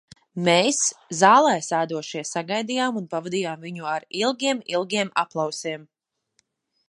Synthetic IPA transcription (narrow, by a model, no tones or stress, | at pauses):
meːszaːlˠɛjsaːd̪uɔʃiɛsaɡajd̪ijaːmunpavad̪ijaːmviɲuaɾilˠɡʲiɛmilˠɡʲiɛmʔa̰plˠawsiɛm